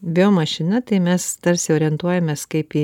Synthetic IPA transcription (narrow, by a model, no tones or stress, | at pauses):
bʲɪoːmɐʃʲɪnʲɛt̪ɐɪmʲɛst̪ɐɾʲsʲɪoːɾʲɪɛnt̪uɔjɛmʲeːskɐɪpi